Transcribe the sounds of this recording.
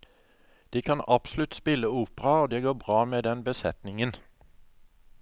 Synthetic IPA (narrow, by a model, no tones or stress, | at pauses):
d̪̥iːkʰɑnɑb̥slʉt̪spɪləuːpəʁɑoːd̪eːɡoːbʁɑːmeːd̪ɛnbəsɛt̪nɪŋən